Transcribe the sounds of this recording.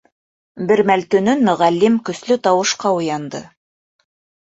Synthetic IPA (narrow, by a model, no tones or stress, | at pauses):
bɘ̆ɾmælt̪ɵ̆nɵnmɵ̆ʁælːimkɵ̆slɵt̪ɑwɤ̆ʃqɑujɑnd̪ɤ̰